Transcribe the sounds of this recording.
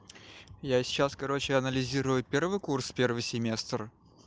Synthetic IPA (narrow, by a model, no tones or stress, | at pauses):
jasʲt͡ɕːaskɐɾo̞t͡ɕɪɐnəlʲɪzʲiɾʊjʊpʲe̞rvɨjkurspʲe̞rvɨjsʲɪmʲe̞st̪r